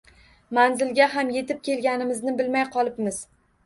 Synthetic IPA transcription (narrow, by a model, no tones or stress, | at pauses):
manzɪlɡʲaɦamje̞t̪ɪp̚kʲʰe̞lɡʲanɪmɪznɪbɪlmajqʰɒlˠɪpmɪz̥